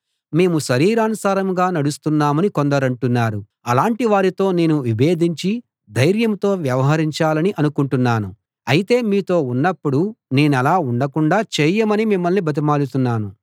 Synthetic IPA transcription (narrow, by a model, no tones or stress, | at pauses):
me̞ːmuʃɐɾiːɾaːnusaːɾɐmɡaːnɐɽust̪unːaːmɐnikond̪ɐɾɐɳʈunːaːɾu | ɐlaːɳʈiʋaːɾit̪o̞ːne̞ːnuʋibe̞ːd̪ʱiɲt͡ʃi | d̪ɐjɾjɐmt̪o̞ːʋjɐʋɐɦɐɾiɲt͡ʃaːlɐniʔɐnukuɳʈunːaːnu | ɐjit̪e̞ːmiːt̪o̞ːunːɐpːuɽune̞ːnɛlaːuɳɖɐkuɳɖaːt͡ʃeːjɐmɐnimimːɐlnibɐt̪̬imaːlut̪unːaːnu